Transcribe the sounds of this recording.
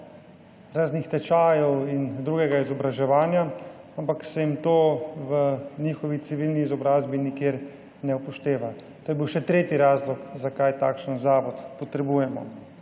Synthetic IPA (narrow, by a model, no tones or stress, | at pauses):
ɾaːznixt̪ɛt͡ʃaːjɔwind̪ɾuːɡɛɡaizɔbɾaʒɛʋaːnjaampaksɛjimt̪oːʋənixɔʋisiʋilniːzɔbɾaːzbinikjeɾ | nɛupɔʃt̪eːʋa | t̪ojɛbiwʃɛt̪ɾeːt̪iɾaːzlɔkzakajt̪aːkʃənzaːʋɔt̪pɔt̪ɾɛbuːjɛmɔ̰